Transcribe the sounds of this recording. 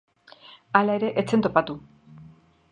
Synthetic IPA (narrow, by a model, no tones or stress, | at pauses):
alae̞ɾe̞ʔet͡se̞nt̪o̞pat̪u